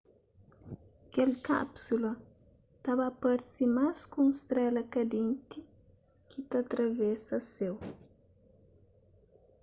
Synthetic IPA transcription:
kelka̰psulɐ | t̪aβapaɾsimaskũũŋst̪ɾɛlɐkɐd̪ẽnt̪i | kʰit̪at̪ɾavɛsɐsew

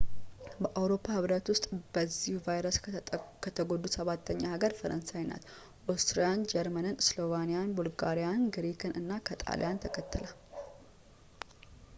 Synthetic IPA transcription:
bəʔawɾo̞pʰːahɨβɾət̪wʊst̪ʼb̥əzːihuvajɾəskʰət̪ʰəɡo̞d̪usəβat̪ʰːəɲːahaɡəɾfəɾʔənsajna̰t̪ | ʔost̪ɾijand͡ʒɛɾmənɨnslo̞vanijanbulɡaɾijanɡɨɾikʰɨnɨnːakʰət̪ʼa̰lḭjant̪ʰəkʰət̪ːɨla

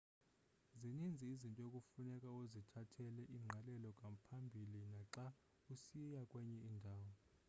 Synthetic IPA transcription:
zinind͡zʱiizintʼɔokʼufunɛkʼaozitʰatʰɛlɛʔiŋ͡ǁʱalɛlɔkʼapʰambʱilinaǁa | usijakʼwɛɲɛiːndʱaːwɔ

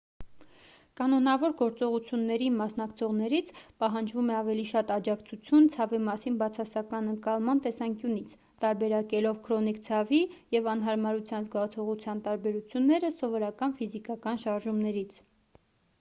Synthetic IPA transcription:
kɑnɔnɑvɔɾɡɔɾt͡sɔʁut͡sʰjunːɛɾimɑsnɑkt͡sʰɔʁnɛɾit͡sʰpɑɦɑnd͡ʒvumɛɑvɛliʃɑt̪ɑd͡ʒɑkt͡sʰut͡sʰjunt͡sʰɑvimɑsinbɑt͡sʰɑsɑkɑnəŋkɑlˠmɑnt̪ɛsɑŋkjunit͡sʰ | t̪ɑɾbɛɾɑkɛlɔvkʰɾɔnikt͡sʰɑvijɛvɑn̪ɦɑɾmɑɾut͡sʰjɑnzɡɑt͡sʰɔʁut͡sʰjɑnt̪ɑɾbɛɾut͡sʰjunːɛɾəsɔvɔɾɑkɑnfizikɑkɑnʃɑɾʒumnɛɾit͡sʰ

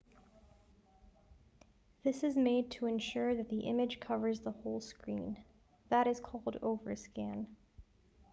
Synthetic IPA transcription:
ðɪsɨzmeɪd̚tʰəɨ̃nʃʊɹðɨt̪̚ðiʔɪ̃mɨd̥ʒ̥kʰʌvə˞zðəhoʊlˠskɹḭ̃n | ðəɾɨz̥kʰɔlˠdo̰ʊvə˞skæ̃n

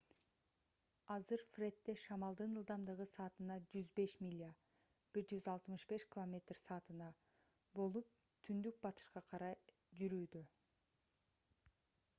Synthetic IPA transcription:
ɑzɯɾfrʲe̞t̪ːe̞ʃɑmɑlˠd̪ɯnɯlˠd̪ɑmd̪ɯʁɯsɑːt̪ɯnɑd͡ʒyzbe̞ʃmʲilʲia | b̥iɾd͡ʒyzɑlˠt̪mɯʃbe̞ʃkʲɪlˠomʲe̞t̪rsɑːt̪ɯnɑ | bo̞lˠup̚ | t̪ʰynd̪yk̚bɑt̪ɯ̥ʃqɑqʰɑɾɑj | d͡ʒyɾyːd̪ø

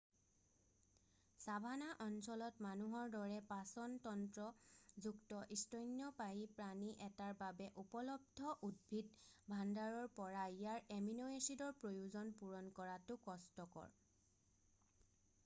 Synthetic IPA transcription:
sabʱanaʔɔnsɔlɔtmanuɦɔɹdɔɹɛpasɔntɔntɹɔzuktɔʔistɔjnjɔpaɦipɹaniʔɛtaɹbabɛʔupɔlɔb̚dʱɔʔud̚bʱitbʱandaɹɔɹpɔɹaijaɹeminoesidɔɹpɹojuzɔnpuɹɔnkɔɹatʊkɔstɔkɔ̰ɹ

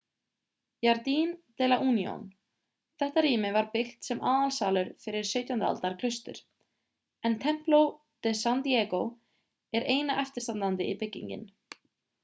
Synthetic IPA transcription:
jaɾt̪int̪ɛːlaʔuːnjɔ̰n | θɛht̪aɾiːmɪvaɾpɪxt̪sɛmʔaːðalsaːwlʏɾfɪɾɪɾ̥sœɥt̪jahʏnt̪a̰lt̪aɾkʰl̥ʏst̪ʏ̰ɾ̥ | ɛnt̪ʰɛm̥plow | t̪ɛsant̪jɛːkow | ɛɾʔeːjnaʔɛft̪ɪɾ̥t̪ant̪ant̪ɪipɪcːḭɲcɪ̰n

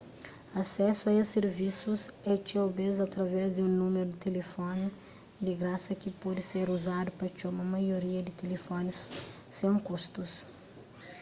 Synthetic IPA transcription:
ɐsɛsuɐeseɾvisuzɛt͡ʃobezɐt̪ɾɐvɛzd̪ũnumeɾud̪ɪt̪elefɔn | d̪ɪɡɾasɐkɪpɔd̪ɪseɾuzad̪upɐt͡ʃomɐmɐjoɾiɐd̪ɪt̪elefɔnɪsː | ẽkust̪us

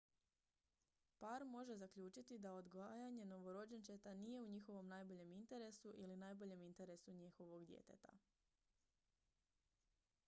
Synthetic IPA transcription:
paɾmo̞ʒe̞zakʎuːt͡ʃit̪id̪aod̪ɡʋaːjaɲe̞no̞ʋo̞ɾo̞d͡ʑent͡ʃet̪anije̞uɲixo̞ʋo̞mnaːjbo̞ʎe̞mint̪e̞ɾe̞suʔilinaːjbo̞ʎe̞mint̪e̞ɾe̞suɲixo̞ʋo̞ɡd̪jḛt̪e̞̰t̪a̰

